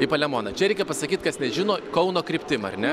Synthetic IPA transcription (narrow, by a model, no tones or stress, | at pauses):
ɪpɐlʲɛmoːnɐt͡ʃʲɛɾʲɛɪkʲɛpɐsɐkʲiːt̪kɐsnʲɛʒʲɪnoːkɐʊnoːkɾʲɪpʲt̪ʲɪmɐ̰ɾnʲɛ